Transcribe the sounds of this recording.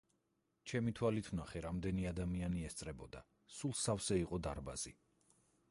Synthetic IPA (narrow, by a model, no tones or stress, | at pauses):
t͡ʃʰɛmit̪ʰwalit̪ʰvnaχɛɾamd̪ɛniad̪amianiɛst̪sʼɾɛbɔd̪a | sulˠsafsɛiqʼɔd̪aɾba̰z̥i